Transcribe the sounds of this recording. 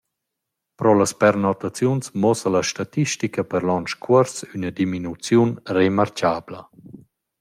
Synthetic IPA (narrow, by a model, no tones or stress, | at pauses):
pɾɔlaspɛɾnɔt̪at͡sjunsmɔsəlaʃtat̪iʃtikəpɛɾlɔnt͡ʃkʰwɔɾsynədiminut͡sjunremaɾt͡ʃaːblə